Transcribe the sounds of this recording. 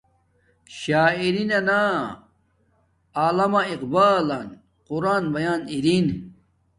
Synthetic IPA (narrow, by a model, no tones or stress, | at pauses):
ɕaːiɾinɐna | aːlɐmɐiqbaːlɐn | quɾaːnbɐjaːniɾin